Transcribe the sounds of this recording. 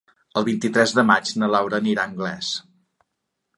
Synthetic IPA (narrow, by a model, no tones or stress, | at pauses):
əlˠβint̪it̪ɾɛzðəmat͡ʃnəlawɾəːniɾaəŋɡlɛs